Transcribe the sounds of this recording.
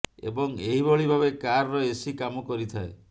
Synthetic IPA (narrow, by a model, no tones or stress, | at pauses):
ḛbɔŋeɦibɔɭibʱaβekaɾɔɾɔesikamɔkɔɾit̪ʰae